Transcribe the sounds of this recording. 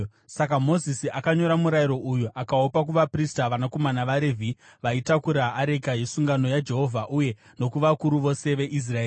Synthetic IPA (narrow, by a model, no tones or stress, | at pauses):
sak̬amo̞zisiakaɲo̞ɾamuɾajiɾo̞ʔujuʔakaopak̬uʋapristaʋanako̞manaʋaɾe̞vʱi | ʋaitakuɾaːɾe̞kajisuŋɡano̞jad͡ʒe̞ɦo̞vʱaʔuje̞ | no̞kuʋakuɾuʋo̞se̞ʋe̞ʔis̬raeː